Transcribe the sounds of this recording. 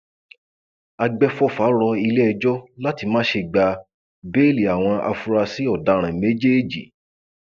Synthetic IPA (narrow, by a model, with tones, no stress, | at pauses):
a˧ɡ͡bɛ˧fɔ˦fa˨˦ɾɔ˧i˧lɛ˦˧d͡ʒɔ˦la˦ti˧mãː˦ʃe˧ɡ͡ba˧ | be˦li˨a˨w̃ɔ̃˧a̰˧fu˧ɾa˧si˦ɔ˦˨da˨˧ɾ̃ɛ̃˨me˨˦d͡ʒe˦d͡ʒḭ˨